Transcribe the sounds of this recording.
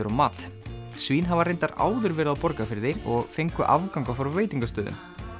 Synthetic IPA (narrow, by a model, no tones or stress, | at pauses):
ʏɾɔmaːt̪ | sviːnɦavareɪjnt̪aɾa̰ːwðʏɾvɛːɾɪðawpɔɾkafɪɾðɪɔɣfejŋkʏʔa̰vkawŋkawfɔɾveːjt̪iŋkast̪œːðʏ̰n